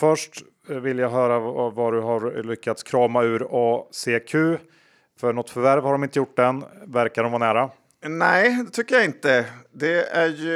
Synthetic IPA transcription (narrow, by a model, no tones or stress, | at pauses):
fœʂʈ | vɪljaɦœːɾavaɖɵɦaɾlʏkːat̪skʰɾɑːmaʉ̟ːɾɔseːkʰʉ̟ː | fœɳɔt̪ːfœɾvæɾvhaɖɔmɪnt̪əjʊʈ̚ːd̪ɛnvæɾkaɾɖɔmvaːɳæːɾa | nɛɪd̪ɛt̪ʰʏkːəjaɪnt̪əd̪ɛæɾj